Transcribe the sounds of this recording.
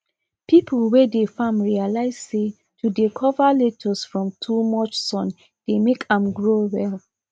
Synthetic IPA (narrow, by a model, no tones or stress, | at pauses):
pipʰulwedefãmɹialaɪz̥se | tudekʰɔvaletʰɔsfɹɔ̃mtʰumɔt͡ʃsɔ̃n | d̥emekʰãmɡɹowɛl